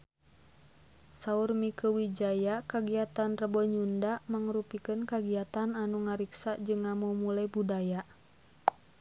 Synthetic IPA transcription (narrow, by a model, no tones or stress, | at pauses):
saurmikəwid͡ʒajakaɡiat̪anrəbɔɲundamaŋɾupikənkaɡiat̪ananuŋaɾiksad͡ʒɨŋːamumulajbudaja